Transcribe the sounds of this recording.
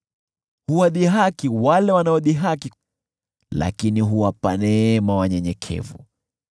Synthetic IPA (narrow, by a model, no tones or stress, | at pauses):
huwaɗiɦakiwalɛwanaɔɗiɦaki | la̰kiniɦuwapanɛmawaɲɛɲɛkʰɛ̰vṵ